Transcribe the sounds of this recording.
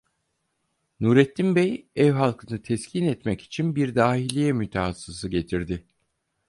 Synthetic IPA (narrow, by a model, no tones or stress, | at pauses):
nuːɾɛt̪ʰːimbɛjɛvɦalˠkʰɯnɯt̪ʰɛscʰinɛt̪mɛci̥t͡ʃʰinbiɾd̪aːhilʲijɛmyt̪ʰɛhasɯzɯɟe̞t̪ʰiɾd̪ɪ